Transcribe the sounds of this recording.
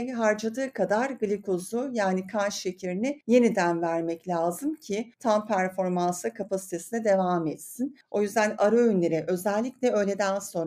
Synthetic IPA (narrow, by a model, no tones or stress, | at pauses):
jɦaɾd͡ʒad̪ɯːkʰad̪aɾɡɯlʲikʰozʊjaːnikʰanʃʃecʰiɾʲinɛje̞nid̪ænvæɾmɛclʲaːzɯmcʰɪt̪ʰampʰæɾfo̞ɾmansɯkʰapʰasi̥t̪ʰe̞sinɛd̪e̞vaːmɛt̪sino̞jyzd̪ænaɾaynlʲeɾɛʔø̞zɛlʲːicʲlʲɛø̞jlʲe̞d̪ænso̞nɾ